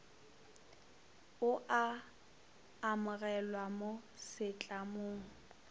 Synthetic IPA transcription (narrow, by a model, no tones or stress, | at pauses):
ʊʔa | mʊɣɛlwamosɪt͡ɬʼamoːŋ̩